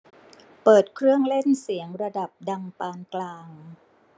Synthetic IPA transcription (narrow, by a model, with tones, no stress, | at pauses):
pɤː˨˩t̪̚kʰɾɯ˥˩əŋle˥˩nsi˩˦əŋɾa˧da˨˩p̚da˧ŋpaː˧nklaː˧ŋŋ